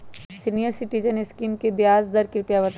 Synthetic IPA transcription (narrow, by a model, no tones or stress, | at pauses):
sinijəɾsɪʈiːd͡ʒənɪskiːmkebjaːzd̪ɐɾkɪɾpjaʋɐt̪